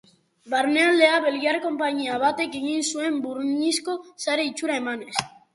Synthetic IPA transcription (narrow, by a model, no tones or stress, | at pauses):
baɾne̞ald̪e̞aβe̞lɣiarko̞mpaɲiaβat̪e̞ke̞ɣinsue̞mbuɾɲisko̞saɾe̞it͡ʃuɾae̞mane̞s